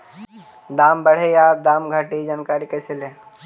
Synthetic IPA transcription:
d̪aːmbəɽ̤ejaːp̚d̪aːmɡʱəʈid͡ʒaːnkaɾikəsele

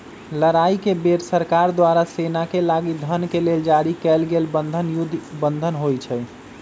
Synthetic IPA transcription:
ləɾaikebeɾsəɾkaɾd̪waɾasenakelaɡid̪ʱənkeleld͡ʒaɾikɛlɡelbənd̪ʱənjud̪ʱbənd̪ʱənɦojt͡ʃʰɛ

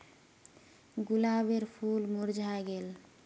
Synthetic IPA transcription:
ɡulabeɾpʰulmuɾd͡ʒʱaeɡel

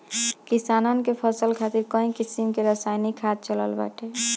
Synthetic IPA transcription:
kisanənkepʰəsəlkʰat̪iɾkɔ̃ĩkisimkeɾəsajnikʰːad̪̚t͡ʃələ̰lba̰ʈe

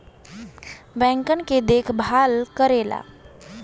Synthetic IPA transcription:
bɛ̃ŋkənked̪ekʰbʱalkəɾeːla̰

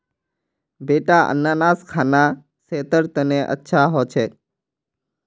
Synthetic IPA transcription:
beːʈaʔə̰nːaːnaːskʰaːna | seːt̪əɾt̪əneʔə̰tːʃʰaɦoːt͡ʃʰeː

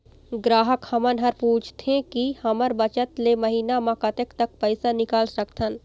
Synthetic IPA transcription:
ɡɾaːɦəkhəmənɦəɾpuːt͡ʃʰt̪ʰẽkihɐməɾbət͡ʃət̪leməɦiːnamãkɐt̪əkt̪ək̚pəɪsanɪkaːlsəkt̪ʰən

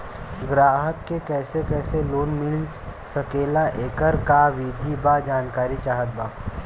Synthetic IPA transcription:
ɡɾaːɦəkːekɛːsekɛːseloːnmɪl | sɐkeːlaʔeːkəɾkaʋid̪ʱibad͡ʒaːnkaːɾit͡ʃaːɦət̪̚baː

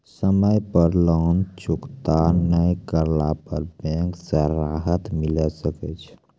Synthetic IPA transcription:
səməjpəɾlənt͡ʃukt̪anəjkəɾlapəɾbɛ̃ŋksə̃ɾaɦət̪miləsəkɛt͡ʃʰ

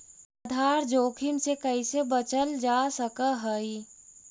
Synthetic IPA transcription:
əd̪ʱaːɾd͡ʒoːkʰɪmsekəisebət͡ʃəld͡ʒaːsəkəɦəi

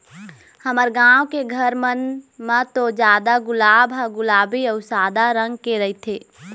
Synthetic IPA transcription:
həməɾɡãːwkeɡʱəɾmənmãt̪od͡ʒjaːd̪aɡʊlaːbɦaɡʊlaːbiɔːɾsaːd̪aɾə̃ŋɡ̚keɾəit̪ʰeː

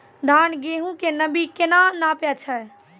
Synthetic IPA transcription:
d̪ʱanɡeɦũkenəbikenanapɛt͡ʃʰə

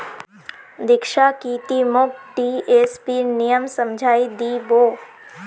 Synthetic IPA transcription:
d̪ɪkʃakiːt̪imʊk̚ʈieːspinijəmsəmd͡ʒʱaːid̪iːboː

